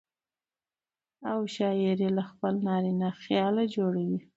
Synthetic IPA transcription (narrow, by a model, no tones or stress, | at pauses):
awʃɑɪɾilaxpəlnɑɾinaxjɑlad͡ʒoɽawi